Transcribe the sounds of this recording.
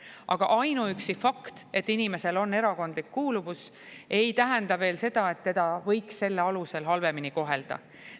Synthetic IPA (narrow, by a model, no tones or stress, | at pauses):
ʔɑɡ̥ɑ̰ʔɑjnuyksifɑkt̪e̞t̪ːinime̞se̞lo̞nːe̞ɾɑko̞nd̪̥likːuːluvus | e̞jt̪æɦend̪ɑve̞ːlse̞d̪ɑe̞t̪ːe̞d̪̥ɑvɤ̞jksːe̞lːeɑluse̞lɦɑlve̞miniko̞ɦe̞ld̪̥ɑ̰